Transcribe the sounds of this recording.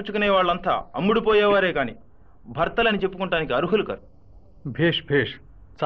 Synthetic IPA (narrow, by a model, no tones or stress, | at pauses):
t͡ʃukuneːʋaːɭːɐnt̪a̰ːɐmːuɽupɔːjɛːʋaːɾeːkaːnḭ | bʱɐɾt̪ɐlɐnit͡ʃe̞pːukuɳʈaːnikiɐɾuɦulukɐ̰ɾu | bʱeːʂbʱeːʂ | t͡ʃ